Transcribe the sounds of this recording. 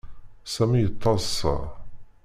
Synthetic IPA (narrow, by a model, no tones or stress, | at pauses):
sæmijət̪ˤːɑzsɑ̰